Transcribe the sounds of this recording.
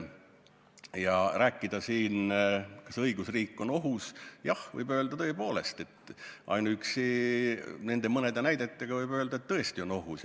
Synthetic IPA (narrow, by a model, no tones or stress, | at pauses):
jɑræːkːˑid̪̥ɑsiːnkɑsɤjɡ̥usriːkːˑo̞no̞ɦusjɑhvɤ̰jbø̞ːld̪ɑt̪ɤ̞epoːle̞st̪e̞t̪ːʔɑ̰jnuyksi | ne̞nd̪emɤned̪enæjd̪̥e̞t̪ˑːeɡ̥ɑvɤjbøːld̪ɑe̞t̪t̪ːɤ̞est̪io̞no̞ɦus